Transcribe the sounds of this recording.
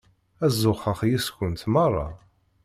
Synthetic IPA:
æzːʊχəχjiskənt̪mɑrˤːɑ̰

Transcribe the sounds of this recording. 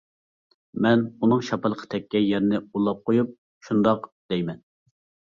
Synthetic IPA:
mɛnunɨŋʃɑpɨlˠəqʰə̥t̪ʰɛkʲːɛjɛɾnɪulˠːɑp̚qʰojup̚ | ʃund̪ɑqd̪̥ɛjmɛn

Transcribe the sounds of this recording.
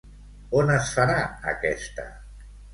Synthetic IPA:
onəsfaɾaə̰kɛst̪ə̰

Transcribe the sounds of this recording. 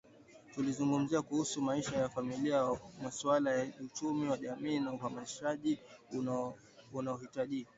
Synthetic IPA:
tulizuŋɡum̩ziakuhusumaiʃajafamiliamasualajaut͡ʃumiwaʄamiːnauhamaiʃaʄi | unaɔhitaʄika

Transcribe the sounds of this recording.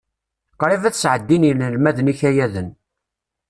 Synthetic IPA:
qɾˤivæθsʕəd̪ːiniləlmæðəniçæjæðən

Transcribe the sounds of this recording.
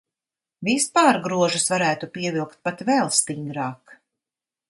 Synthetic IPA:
vispaːɾɡɾuɔʒusvaɾæːt̪upiɛvilˠkt̪̚pat̪vɛlˠst̪iŋd̪ɾaːk

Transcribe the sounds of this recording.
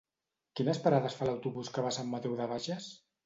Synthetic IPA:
kinəspaɾaðəsfaləwt̪uβuskəβasamːat̪ewðəβaʒəs

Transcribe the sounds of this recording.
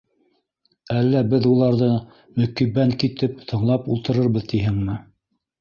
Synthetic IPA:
ælːæbɘðulˠɑɾðɤ | mɵ̆kiβæŋkit̪ɘpt̪ʰɤ̆ɴlˠɑpṵlˠt̪ɤ̆ɾɤɾβɤðt̪iɦɘŋmɘ

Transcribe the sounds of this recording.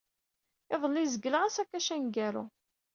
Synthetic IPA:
ɪðˤəlːizəɡːələʁasækːæʃænɡæɾṵ

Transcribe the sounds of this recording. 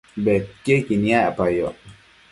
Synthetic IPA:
bɛkekiniaapajɔ

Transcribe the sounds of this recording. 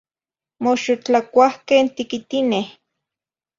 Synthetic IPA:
moʃot͡ɬakʷahkent̪ikit̪ineh

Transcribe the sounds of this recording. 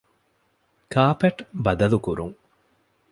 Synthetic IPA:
kaːpeʈbɐd̪ɐlukuɾṵŋ

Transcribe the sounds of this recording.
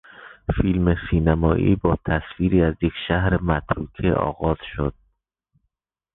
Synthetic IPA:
filmesiːnæmɒːʔḭːbɒːt̪ʰæsfiːɾiːæzje̞kʃæhɾemæt̪ʰɾuːkʰeʔɒ̰ːɣɒːz̥ʃod̪̥̚

